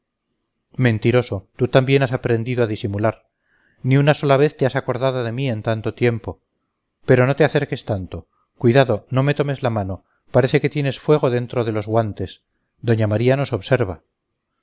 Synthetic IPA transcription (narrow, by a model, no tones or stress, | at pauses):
mẽ̞nt̪iɾo̞so̞t̪ut̪ambje̞nasapɾe̞nd̪iðoaðisimulaɾ | niunaso̞laβe̞θt̪easako̞ɾðaðoðe̞mie̞nt̪ant̪o̞t̪je̞mpo̞ | pe̞ɾo̞no̞t̪e̞aθe̞ɾke̞st̪ant̪o̞ | kwiðaðo̞no̞me̞t̪o̞me̞zlamano̞ | paɾe̞θe̞ke̞t̪je̞ne̞sfwe̞ɣ̞o̞ðe̞nt̪ɾo̞ð̞e̞lo̞zɣwant̪e̞s | d̪o̞ɲamaɾiano̞so̞βse̞ɾβa